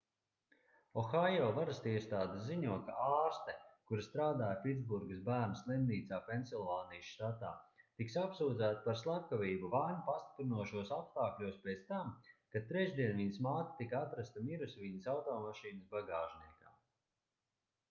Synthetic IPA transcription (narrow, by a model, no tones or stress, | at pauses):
ɔxajɔːvaɾast̪iɛst̪aːd̪eziɲuɔka̰ʔaːɾst̪ɛkuɾst̪ɾaːd̪aːjpʲit̪zbuɾɡɨsbæːɾnaslˠimniːt̪saːpensʲilˠvaːnijʃʃt̪at̪a̰ːt̪iksapsuːd̪zæːt̪apaɾslˠakaviːbuvaːɲupast̪i̥pɾinuɔʃuɔsapst̪aːklʲuɔspʲɛt̪st̪amkat̪ːɾɛʒd̪iɛnviɲsmaːt̪ḁt̪ikat̪ɾast̪amiɾusvinəsawt̪ɔːmaʃiːnəsbaɡaːʃniɛka̰ː